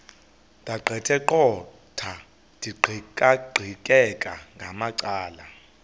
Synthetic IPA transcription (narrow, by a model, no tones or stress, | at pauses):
dʱaɡ͡ǃʱɛtʰɛǃɔ | tʰa | d̥ʼʱiǃʱkʼaɡ͡ǃʱikʼɛkʼaŋɡʱamaǀaːla